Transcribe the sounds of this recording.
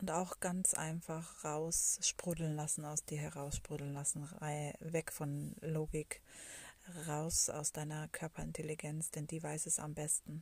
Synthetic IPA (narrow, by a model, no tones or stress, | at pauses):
ʔʊntaʊxɡ̥ant͡sʔa̰ɪnfaχʁaʊsʃpʁ̥udl̩nlasn̩aʊsd̥iːɐɦɛʁaʊsʃpʁ̥ʊdl̩n̩lasn̩avɛkfɔnloːɡɪk | ʁaʊsa̰ʊsd̥aɪnɐkʰœɐpʰɐɪntʰɛliɡɛnt͡sd̥ɛndiːvaɪsɛsa̰mbɛstn̩